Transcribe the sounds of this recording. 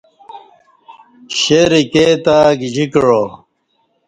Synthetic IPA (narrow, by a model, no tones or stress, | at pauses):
ɕeɾikeːt̪aɡid͡ʑikɻo